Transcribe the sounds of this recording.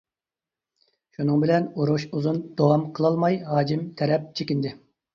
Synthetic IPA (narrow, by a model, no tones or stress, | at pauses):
ʃunɨŋbɪlɛnuɾuʃuzund̪̥owɑmqʰəlˠɑlˠmɑjɦɑːd͡ʒimt̪ʰɛɾɛp̚t͡ʃʰekʲind̪ɪ